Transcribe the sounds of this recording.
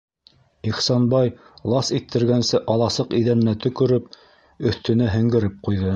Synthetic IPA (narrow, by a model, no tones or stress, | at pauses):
iχsɑnbɑj | lˠɑsit̪ʰːɘ̆ɾɡænsɘʔɑlˠɑsɤqiðænɘ̆næt̪ɵ̆kɵ̆ɾɵp̚ | ɵ̆θt̪ɵ̆næɦɘ̆ŋɡɘ̆ɾɘp̚qujðɤ